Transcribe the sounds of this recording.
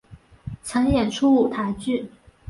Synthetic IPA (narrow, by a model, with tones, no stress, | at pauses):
t͡sʰə˧˥ŋjɛ˨˩nʈ͡ʂʰu˥u˨˩t̪ʰa˧˥ɪt͡ɕy˥˩